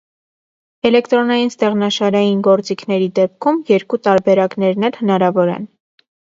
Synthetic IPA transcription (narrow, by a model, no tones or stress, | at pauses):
ɛlɛkt̪ɾɔnɑjinst̪ɛʁnɑʃɑɾɑjinɡɔɾt͡sikʰnɛɾid̪ɛp̚kʰumjɛɾkut̪ɑɾbɛɾɑknɛɾnɛlhənɑɾɑvɔɾɛ̰n